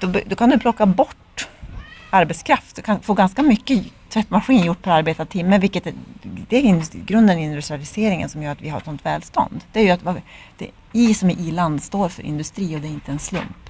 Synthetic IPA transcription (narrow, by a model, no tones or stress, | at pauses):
d̪̥ɔbd̪ɔkʰand̪ɵpʰlɔkːabɔʈː | aɾbɛt̪skʰɾaft̪ɔkʰanfoːɡanskamʏkːət̪ʰɾɛt̪ːmaɧiːnjʊʈːpʰɔaɾbeːt̪at̪ʰɪmːəvɪlkːət̪d̪ɛæɪnɡɾɵnd̪ənɪnd̪ʉst̪ɾalɪseːɾɪŋə̰nsɔmjœːɾat̪vɪhaɾ̰t̪sɔnt̪vɛːlst̪ɔ̰nd̪d̪ɛæɾjɵat̪vad̪̥ɛ̰ | iːsɔmɪʔiːland̪st̪oːɾfœ̰ɾʔɪ̰nd̪ɵst̪ɾiːɔd̪ɛɾɪnt̪əɛnslɵ̰mp